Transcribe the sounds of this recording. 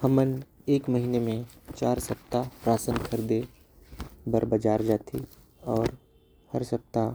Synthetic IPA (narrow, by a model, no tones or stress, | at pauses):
həməneːkməɦiːnemẽt͡ʃaːɾsɐp̚t̪apɾaːsənkʰəɾd̪e | bəɾbəd͡ʒaːɾd͡ʒaːt̪ʰi | ɔːɾ | hɐɾsɐp̚t̪a